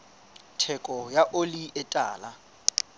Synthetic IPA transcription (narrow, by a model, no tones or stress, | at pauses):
tʰɛkʼɔjaʔoliɛtʼa̰ːla